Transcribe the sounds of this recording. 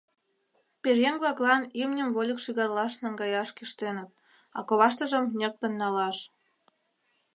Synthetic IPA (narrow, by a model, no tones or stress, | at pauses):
perjeŋɡβlɑklɑnimnʲəmβolʲə̆kʃiɣɑrlɑʃnɑŋɡɑjɑʃkiʃt̪enət̪̚ | ɑ̰koβɑʃt̪ə̆ʒə̆mnʲĕk̚t̪ə̆nːɑlɑʃ